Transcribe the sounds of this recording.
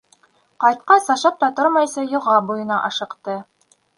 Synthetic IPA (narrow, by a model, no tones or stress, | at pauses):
qɑjt̪̚qɑsɑʃɑp̚t̪ɑt̪oɾmɑjsɑjŏʁɑbujɤ̆nɑʔɑʃɤ̆qt̪ɤ